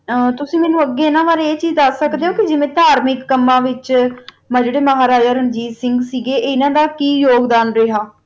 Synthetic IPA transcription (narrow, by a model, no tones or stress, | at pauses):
t̪ʊsĩːmɛ̃ːnũːəɡːeːɪnãːʋaːɾeeːt͡ʃiːzd̪əsːəkd̪eːɦõːkɪd͡ʒɪʋẽːt̪aːɾmɪkːəmːãːʋɪt͡ʃ | mãːd͡ʒeːɽeːməɦaːɾaːd͡ʒaːɾənd͡ʒiːsɪ̃ŋɡsiːɡeːʔːɪnãːd̪aːkiːjoːɡd̪aːnɾeːɦaː